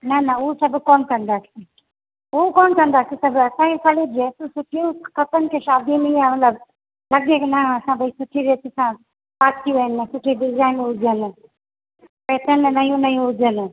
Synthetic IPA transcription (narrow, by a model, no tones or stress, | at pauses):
nɐnɐʊɦosɐbʱkoːnkɐ̃nd̪aːse | ʊokoːnkɐ̃nd̪aːsisɐbʱɐsãkekaled͡ʑet̪usʊʈʰijũkɐt̪ənɪ̆kʰeʃaːd̪iniiãmɐt̪ləb | lɐɡeːknɐɐsãbʱɐisʊʈʰiʋeːt̪ɪsã | paːt̪ʰijũənːɐsʊʈʰiɖɪzaːɪnʊd͡ʑʱən̆ | pɛːt̪ʰənnɐjũnɐjũɦʊd͡ʒʱənɪ̆